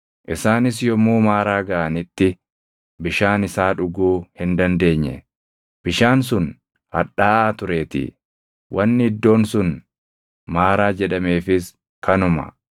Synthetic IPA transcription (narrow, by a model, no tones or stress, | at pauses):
ʔɪsaːnɪs̬jɔmuːmaːɾaːɡɐʔɐnɪt̪ːɪ | bɪʃaːnɪsaːᶑʊɡuːhɪnd̪ɐnd̪e̞ːɲːɛ̰ | b̥ɪʃaːnsʊn | hɐᶑaːʔaːt̪ʊɾe̞ːt̪ɪ̰ | wʔɐnːɪɪd̪ːo̞ːnsʊn | maːɾaːd͡ʒɛᶑɐme̞ːfɪs | kɐnʊmɐ̰